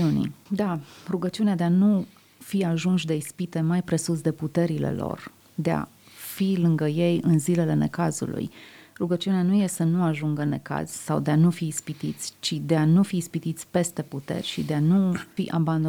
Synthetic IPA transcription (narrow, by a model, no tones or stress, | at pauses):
unḭd̪aruɡət͡ʃiunead̪eanu | fiaʒunʃ̬d̪e̞ispit̪e̞majpɾe̞sus̬d̪e̞put̪e̞ɾile̞̰lo̞̰r | d̪e̞a̰ | filɨŋɡəje̞jɨnzilele̞ne̞̰kazṵlṵjruɡət͡ʃiuneanujesənuaʒuŋɡəne̞̰ka̰z̥ʲsawd̪eanufiːspit̪it̪sʲt͡ʃid̪e̞anufiːspit̪it̪sʲpe̞st̪e̞put̪e̞̰rʲʃid̪e̞anufiʔaband̪o